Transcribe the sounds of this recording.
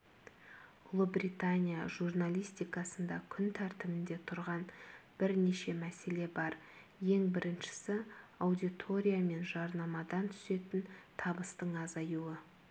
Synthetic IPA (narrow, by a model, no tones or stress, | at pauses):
ʊlˠəbɾit̪anʲija̰ʒurnalʲˠijst̪ijkɑsənd̪ɑkʲʰʏnt̪ʰæɾt̪ɪmɪnd̪e̞t̪ʰʊɾʁɑnb̥ɪɾne̞ʃe̞mæse̞le̞bɑɾ | je̞ŋbɪɾɪnʃɪ̥sɪawd̪it̪ʰo̞ɾʲijame̞nʒɑɾnɑmɑd̪ɑnt̪ʰʏ̥se̞t̪ɪnt̪ʰɑbəst̪əɴɑzɑjuwə